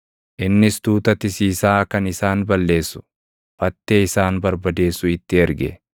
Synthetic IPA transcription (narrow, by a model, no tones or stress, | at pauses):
ʔɪnːɪst̪uːt̪ɐt̪ɪsiːsaːkɐnɪsaːnbɐlːe̞ːsːʊ̥ | fɐt̪ːeːɪsaːnbɐɾbɐd̪e̞ːsːʊɪt̪ːɪɛɾɡɛ̰